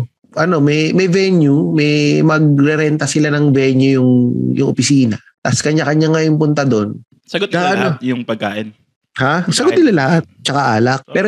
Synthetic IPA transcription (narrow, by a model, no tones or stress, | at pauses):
ʔɐno̞mɛjmɛjvɛnjumɛjmɐɡ̚ɾɛɾɛnt̪ɐsɪlanɐŋvɛnjujʊŋjʊ̰ŋʔopɪsiːnɐ | t̪ɐskɐɲːakɐɲaŋɐjʊŋpʊnt̪ɐd̪o̞n | sɐɡot̪̚ɐʔɐnojʊŋpɐɡ̚kaːʔɪn | hasɐɡot̪̚nɪlalɐhat̪̚t͡ʃɐkaʔaːlɐk̚pɛːɾo